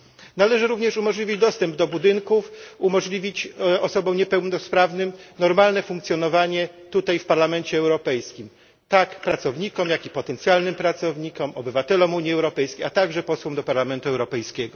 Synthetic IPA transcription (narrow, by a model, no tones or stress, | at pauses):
nalɛʐɘɾuvɲɛʂumɔʐlʲivʲid͡ʑd̪ɔst̪ɛmbd̪ɔbud̪ɘŋkufumɔʐlʲivʲit͡ɕɔsɔbɔ̃w̃ɲɛpɛwnɔspɾavnɘmnɔɾmalnɛfuŋkt̪sʲjɔn̪ɔvaɲɛ | t̪ut̪ajfpaɾlamɛnt͡ɕɛːwɾɔpɛjskʲim | t̪akpɾat̪sɔvɲikɔmjakʲipɔt̪ɛnt̪sʲjalnɘmpɾat̪sɔvɲikɔmɔbɘvat̪ɛlɔmuɲiɛwɾɔpɛjskʲejat̪aɡʐɛpɔswɔmd̪ɔpaɾlamɛnt̪uɛwɾɔpɛjskʲɛɡɔ